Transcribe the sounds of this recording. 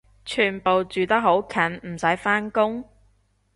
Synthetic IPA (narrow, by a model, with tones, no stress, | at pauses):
t͡ʃʰyː˨˩npo˨wt͡ʃyː˨t̪ɐ˥k̚ɦo˨˥wkʰɐ˨˥nm̩˨˩sɐ˨˥jfaː˥nkʊ˥ŋ